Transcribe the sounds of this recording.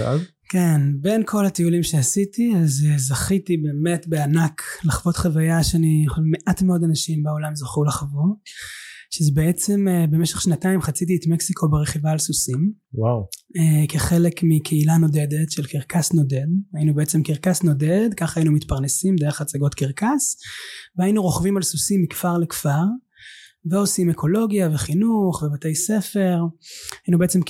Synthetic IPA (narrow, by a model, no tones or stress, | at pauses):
az | kenbe̞nkʰo̞latiulimʃeasitiazezaχitibe̞ːme̞tbeanaklaχvo̞tχavajaʃeanijeχoʃevmeʔatmeo̞danaʃimbeo̞lamzoχulaχavu | ʃezebeet͡se̞mbemeʃeχʃnataimχat͡sit̬ietmeksikʰo̞beʁeχivaːlsusimwawekeχe̞le̞kmikʰeilano̞de̞detʃelkiʁkasno̞de̞dajinubeet͡semkiʁkasno̞ded̪kaχajinumitpaʁnesimd̪e̞eχat͡saɡo̞tkiʁkasveainuʁo̞χvimalsusimːikfaʁlekfaʁ | veo̞sime̞kʰo̞lo̞ɡjaveχinuχvevatejse̞fe̞ʁajinubeet͡se̞m